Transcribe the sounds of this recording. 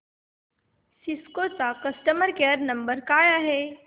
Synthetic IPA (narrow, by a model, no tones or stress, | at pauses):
siskot͡sakəsʈəməɾkeɾnəmbəɾkaːjaɦe